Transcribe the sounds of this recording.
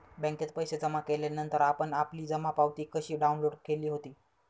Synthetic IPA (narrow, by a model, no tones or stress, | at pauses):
bɛ̃ŋkjet̪pəjsed͡zəmakelanənt̪əɾapəɳapliːd͡zəmapaʋt̪iːkəɕiːɖaunloɽkeliːɦot̪iː